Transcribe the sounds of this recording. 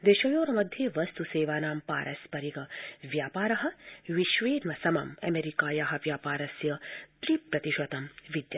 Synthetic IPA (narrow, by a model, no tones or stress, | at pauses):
d̪eːʃɐjoːɾɐmɐd̪ʱjeːʋɐst̪useːʋaːnaːmpaːɾʔɐspɐɾiɡɐʋjaːpaːɾɐɦɐʋiʃʋeːnʋɐsɐmɐ̰mɐ̰meɾikaːjaɦɐʋjaːpaːɾɐsjɐt̪ɾiːpɾɐt̪iʃʋɐt̪ɐmʋid̪jɐ